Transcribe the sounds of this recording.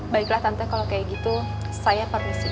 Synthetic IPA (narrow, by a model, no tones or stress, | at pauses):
baiklaht̪ant̪akalokajaɡit̪u | sajapərmisi